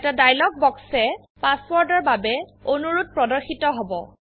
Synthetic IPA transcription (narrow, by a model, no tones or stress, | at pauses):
ɛtadajlɔk̚bɔksɛ | paswɔɹdɔɹbabɛonuɹut̚pɹɔdɔɹxitɔɦɔbɔ̰